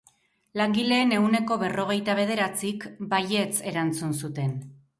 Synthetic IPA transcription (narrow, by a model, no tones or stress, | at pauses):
laŋɡile̞ːne̞uwne̞ko̞βe̞ro̞ɣ̞e̞jt̪aβ̞e̞ð̞e̞ɾat͡sikbaje̞t͡se̞ɾant͡sunsut̪e̞n